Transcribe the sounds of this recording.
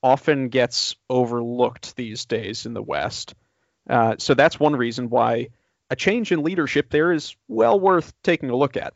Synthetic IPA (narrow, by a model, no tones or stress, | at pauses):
ɑfɨ̃nɡɛtsoʊvə˞lʊk̚t̪̚ðizdeɪzɨ̃nðə̰wɛ̰st | soʊðætswʌ̃nɹizɨ̃nwaɪ | ɨt͡ʃʰẽɪ̃nd͡ʒɨ̃nliɾə˞ʃɪp̚ðə˞ɪz̥wɛlˠwɜ˞θtʰeɪkɪ̃ŋəlʊkɨ̰t̚